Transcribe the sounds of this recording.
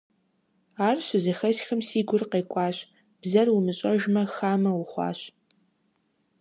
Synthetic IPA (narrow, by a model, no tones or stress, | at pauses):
aːrɕʷɪzɐxɐsxɨmsiːɡʷʊrqeːkʷʼɑːɕ | b̥zɐrwʊmɨɕʼɐʒmɐxaːmɐwʊχʷɑ̰ːɕ